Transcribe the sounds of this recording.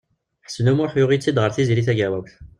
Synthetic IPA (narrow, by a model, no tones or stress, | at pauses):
ħə̥snumʊɾħjʊʁit͡sːid̪ʁəɾθizɾiθæɡæwæwθ